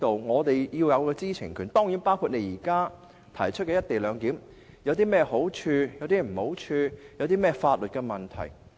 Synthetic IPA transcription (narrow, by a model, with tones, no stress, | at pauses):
t̪o˨wŋɔː˨˧t̪e˨jjiː˧wjɐ˨˧wkɛː˧t͡siː˥t͡sʰɪ˨˩ŋkʰyː˨˩nt̪ɔː˥ŋjiː˨˥npaː˥wkʰuː˧t̚ne˨˧jiː˨˩kaː˥ | t̪ʰɐ˨˩jt͡ʃʰɵ˥t̚kɛː˧jɐ˥t̪̚e˨jlœː˨˧ŋkiː˨˥m | jɐ˨˧wt̪iː˥mɛː˥˩ho˨˥wt͡ʃʰyː˧jɐ˨˧wt̪iː˥m̩˨˩ho˨˥wt͡ʃʰyː˧jɐ˨˧wt̪iː˥mɛː˥˩faː˧t̚lɵ˨t̚kɛ˧mɐ˨˩nt̪ʰɐ̰˨˩j